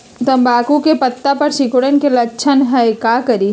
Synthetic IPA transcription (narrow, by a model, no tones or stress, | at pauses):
t̪ɐmbaːkũkepɐt̪ːapɐɾʃɪkoɽənkelɐkːt͡ʃʰənɦɐekaːkɐɾi